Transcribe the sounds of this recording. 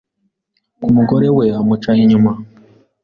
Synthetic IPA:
kumuɡoɾeweamut͡ʃaiɲuma

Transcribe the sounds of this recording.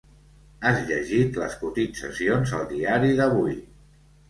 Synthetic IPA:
azʎəʒit̪lə̰skut̪itsə̰sionzəlˠd̪iaɾiðəβuj

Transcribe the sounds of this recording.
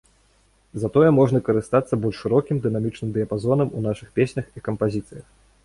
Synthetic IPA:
zɐt̪ɔjɛmɔʐnɐkɐɾɨst̪at̪sːɐbɔlʲʂʂɨɾɔkʲimd̪ɨnamʲit͡ʂnɨmd̪ɨjɐpazɔnɐmunaʂɨxpʲesʲnʲɐxikɐmpazʲit̪sɨjɐx

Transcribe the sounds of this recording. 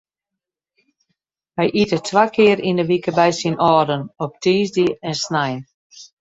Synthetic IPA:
ʋɛjʔitətʰʋakʰɪəɾindəʋikəbɛjsinʔɔːdənɔp̚tʰiːzdiɛnsnajn

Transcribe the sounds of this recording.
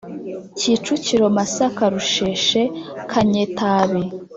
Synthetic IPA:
ciːt͡ʃuciɾo̞masakaɾuʃeʃekʰaɲetaβe

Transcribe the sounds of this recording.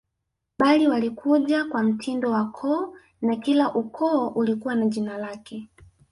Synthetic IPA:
ɓaliwalikuʄakwam̩tʰindɔwakʰɔː | nakilaʔukʰɔːʔulikuwanaʄinalakɛ

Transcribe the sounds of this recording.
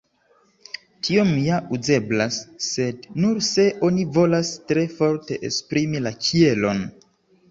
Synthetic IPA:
tʰio̞mjauze̞blasːe̞dnuɾse̞ʔo̞nivo̞lastɾe̞fo̞ɾte̞ʔḛspɾimilat͡ʃie̞lo̞n

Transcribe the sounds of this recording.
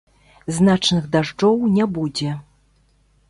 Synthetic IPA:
znat͡ʂnɨxd̪aʐd͡ʐɔwnʲɛbud͡zʲɛ

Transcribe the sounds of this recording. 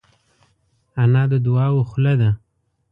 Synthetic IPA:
anɑd̪əd̪ʊɑwoxlad̪a

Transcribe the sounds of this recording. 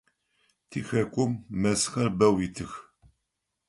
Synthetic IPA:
θiçækʷːumːæsə̥xaɾbæwit̪əç

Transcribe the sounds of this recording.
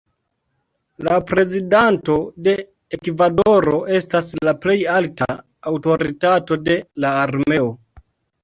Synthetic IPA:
lapɾe̞zidanto̞de̞ | ekvado̞ɾo̞ʔe̞staslaple̞jalta̰ː | wto̞ɾitato̞de̞laːɾme̞o̞

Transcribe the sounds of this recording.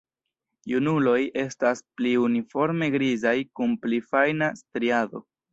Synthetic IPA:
junulo̞je̞staspliunifo̞ɾme̞ɡɾizajkunplifajnastɾiado̞̰

